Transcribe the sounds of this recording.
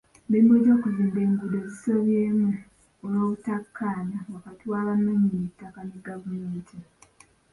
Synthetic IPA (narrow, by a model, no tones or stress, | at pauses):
beimbo̞ɟo̞ːkuziːmbe̞ːŋɡudo̞ziso̞βjeːmu | oloːβutakʰːaːnawakatiwaβanːeɲinitːakane̞ɡavumeːntʰi